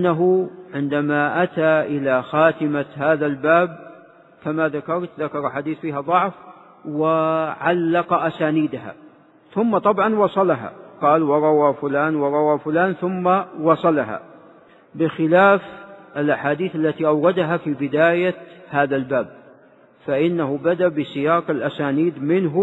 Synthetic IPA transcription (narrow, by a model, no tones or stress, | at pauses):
ʔanːaɦʊʕɪnd̪amaʔat̪aʔɪlaxaːt̪ɪmahaːðalbaːb̚ | kamaðakɑɾˤt̪ðakɑɾˤʔaħaːd̪iːθfiːɦad̪ˤʊʕf | wɪʕalːɑqɑʔasaːniːd̪aɦa̰ | θʊmːɑt̪ˤɑbʕɑnwɑsˤɑlaɦa̰qɑːlwɑɾˤɑwafʊlaːnwɑɾˤɑwafʊlaːnθʊmːawɑsˤɑlaɦa̰ | bɪxɪlaːfʔɪlʔaħaːd̪iːθalːat̪iʔawɾad̪aɦafibɪd̪aːjahaːðalbaːb̚ | faʔɪnːaɦʊbad̪abɪsɪjaːqɪlʔasaːniːd̪mɪnɦʊ